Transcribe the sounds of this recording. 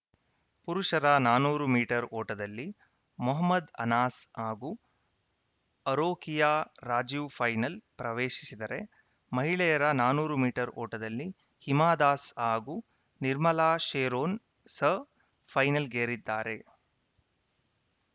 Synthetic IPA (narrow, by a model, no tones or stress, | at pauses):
puɾuʂɐɾɐnaːnuːɾumiːʈɐɾoːʈɐd̪ɐlːi | muɦɐmːɐd̪ɐ̰naːsaːɡu | ɐɾoːkijaːɾaːd͡ʒjupʰɐjnɐlpɾɐʋeːʃi̥sid̪ɐɾe̞ | mɐɦiɭɛjɐɾɐnaːnuːɾumiːʈɐɾɔ̰ːʈɐd̪ɐlːi | himaːd̪aːsaːɡu | niɾmɐlaːʃeːɾoːn | sɐ | pʰɐjnɐlɡeːɾid̪ːaːɾe̞